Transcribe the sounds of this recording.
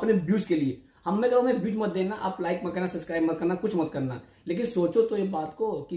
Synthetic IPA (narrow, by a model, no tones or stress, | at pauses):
ɐpnebjuːskelie | hɐmːẽɐɡəɾɦɐmẽbjuːʈmɐt̪̚d̪eːnaʔa̰ːplaːɪkmẽkɐɾnasɐpskɾaːɪbmɐ̃t̪kɐɾnakʊt͡ʃʰmɐt̪kɐɾna̰ | leːk̬ɪnsoːt͡ʃot̪ojebaːt̪koki